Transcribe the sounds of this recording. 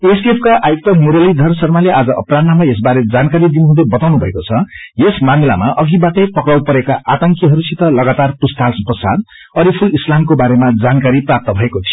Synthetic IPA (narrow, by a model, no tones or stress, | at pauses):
esiepʰkaʔajok̚t̪ʌmuɾʌlid̪ʱʌrsʌrmaleʔad͡zʌʔʌprannamʌes̬baɾed͡zankaɾid̪inuɦud̪ebʌt̪awnubʱʌḛkot͡sʰʌjesmamila̰maʔʌɡibaʈʌjpʌkɽawpʌɾekaʔat̪ʌŋkiɦʌɾusit̪ʌlʌɡat̪arpust̪asprʌsa̰d̪̚ | ʌɾipʰulislamkobaɾemad͡zankaɾiprap̚t̪ʌbʱʌekot̪ʰi̥o